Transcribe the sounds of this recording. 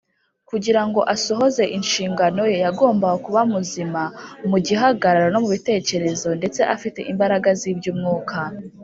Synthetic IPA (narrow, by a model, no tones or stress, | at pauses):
kuɟiɾaŋɡo̞ʔaso̞ɦo̞ze̞ʔinʃiːŋɡano̞jejaɡo̞ːmbaakuβamuzimamuɟiɦaɡaɾaɾano̞muβite̞ːce̞ɾe̞zo̞nde̞t͡se̞ʔafite̞̰ʔimbaɾaɡaziːbɟuːmŋuːkʰa